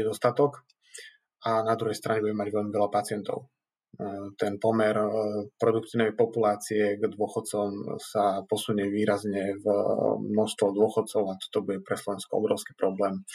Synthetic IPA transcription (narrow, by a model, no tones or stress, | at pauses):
ɛd̪ɔst̪at̪ɔk | anad̪ɾuɦɛjst̪ɾaɲɛbuɲɟɛmaɟʋɛʎmiʋɛlapat͡sɪɛnt̪ɔ̰ʊ | t̪ɛnpɔmɛɾpɾɔd̪uk̚t̪iːʊnɛjpɔpulaːt͡siɛɡd̪ʊɔxɔt̪t͡sɔmsapɔsuɲɛʋiːɾazɲɛvmnɔst̪ʋɔd̪ʊɔxɔt̪t͡sɔʊat̪ɔ̥t̪ɔbuɟɛpɾɛslɔʋɛnskɔɔ̰bɾɔʊskiːpɾɔblɛːm